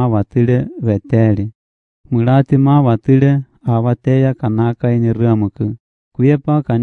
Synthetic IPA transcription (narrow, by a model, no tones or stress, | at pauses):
βat̪ɨɺɛβɛt̪ɛɺi | mɨɺat̪imaβat̪ɨɺɛ | aβat̪ɛjakanakainirɨamɨkɨ | kuɛpakan